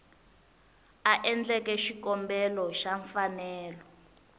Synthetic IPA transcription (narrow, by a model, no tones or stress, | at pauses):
aʔɛnd͡ɮɛkɛʃikɔmbɛlɔʃaɱfanɛːlɔ